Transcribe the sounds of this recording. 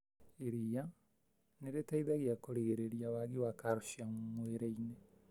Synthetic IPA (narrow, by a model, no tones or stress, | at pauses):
eɾia | neɾetaiðaɣiakoɾeɣeɾeɾjawaɣiwakaɾoʃiammweɾeine